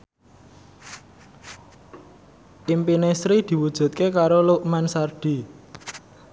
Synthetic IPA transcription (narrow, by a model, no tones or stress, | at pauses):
ʔimpinesɾid̪̥i̤wud̥ʒ̥ṳt̪̚kekaɾoluʔmansarɖ̥i̤